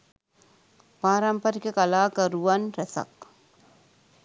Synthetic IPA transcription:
paːɾɐmpɐɾikɐkɐlaːkɐɾuʋɐnɾɐsɐ̰k

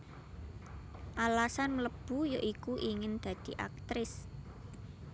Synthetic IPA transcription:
ʔalasanmləb̥ujoʔikuʔiŋɪnd̪̥ä̤d̪̥i̤ʔa̰k̚t̪ɾɪs

